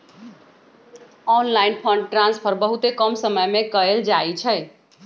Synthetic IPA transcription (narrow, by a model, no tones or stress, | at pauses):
ɔnlainpʰəɳɖ̚ʈɾãnspʰəɾbəɦut̪ekəmsəməjmekəeld͡ʒaet͡ʃʰəj